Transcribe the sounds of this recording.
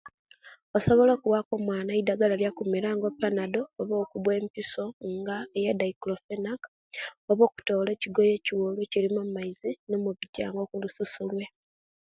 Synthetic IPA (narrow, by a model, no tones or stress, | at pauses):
oso̞βo̞lo̞ːkuwako̞mwaːnaidaɡalaljakumiɾaːŋɡo̞pːanado̞ːβo̞ːkuβwe̞ːmpiso̞ŋɡaejedaiklofenak | oβo̞ːku̥to̞ːle̞ːciɡo̞je̞ːciwolwecilimummaizino̞muβiɟa̰ːŋɡo̞kulususulwe̞